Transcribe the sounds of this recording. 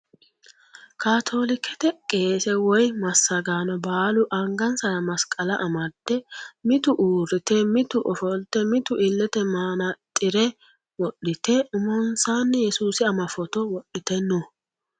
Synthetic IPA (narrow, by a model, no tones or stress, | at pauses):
kaːt̪ʰo̞ːlɪkʰːɛt̪ɛkʼe̞ːsɛwɔjmɐsːɐɡaːnɔbaːlʊʔɐŋɡɐnsɐɾɐmɐskʼɐlɐʔɐmɐd̪ɛmɪt̪ʊʔuːɾɪt̪ɛmɪt̪ʊʔɔfɔlt̪ːɛmɪt̪ʊʔɪlːɛt̪ɛmaːnɐt̪ʼːɪɾɛ | wɔɗːɪt̪ɛʊmɔnsaːnːɛjɛsuːsɪɐmɐfɔt̪ɔwɔɗɪt̪ɛnːo